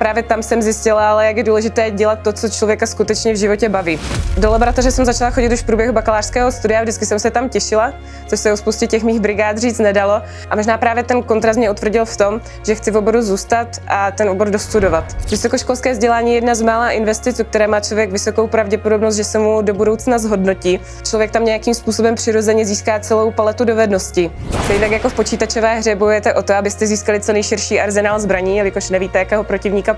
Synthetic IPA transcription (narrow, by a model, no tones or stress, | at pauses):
pɾaːvjɛt̪amsɛmzjɪscɪlaalɛjakjɛduːlɛʒɪt̪ɛːɟɛlat̪̚ːot͡sot͡ʃlo̞vjɛkaskut̪ɛt͡ʃɲɛvʒɪvo̞cɛbaviːdolaboɾat̪orɛsɛmzat͡ʃalaxo̞ɟɪt̪uʃfpɾuːbjɛɦubakalaːr̥skɛːɦo̞st̪udɪjavʒdɪt͡skɪsɛmsɛt̪amcɛʃɪla | t͡soʃsɛospowscɛcɛxmiːxbɾɪɡaːt̪riːt͡st̪nɛdalo̞ | ʔamoʒnaːpɾaːvjɛt̪ɛnkont̪ɾas̬t̪mɲɛut̪vr̩ɟɪlft̪o̞m | ʒɛxt͡sɪvobo̞ɾuzuːst̪at̪ʔat̪ɛnʔoboɾdost̪udovat̪vɪso̞koʃko̞lskɛːzɟɛlaːɲiːjɛjɛdnazmaːlaːʔɪnvɛst̪ɪt͡suk̚t̪ɛɾɛːmaːt͡ʃlo̞vjɛɡvɪso̞kowpɾavɟɛpodo̞bnost̪ʒɛsɛmudo̞budo̞wt͡snazɦo̞dno̞ciː | t͡ʃlo̞vjɛkt̪amɲɛjakiːmspuːso̞bɛmpr̥ɪɾo̞zɛɲɛziːskaːt͡sɛlo̞wpalɛt̪udo̞vɛdno̞scɪt̪ɛit̪akjakofpo̞t͡ʃiːt̪at͡ʃo̞vɛːɦrɛbojujɛt̪ɛʔo̞t̪oabɪst̪ɛziːskalɪt͡sonɛjʃɪɾʃiːʔaɾzɛnaːlzbɾaɲiːjɛlɪkoʃnɛviːt̪ɛjakɛːɦopɾo̞cɪvɲiːka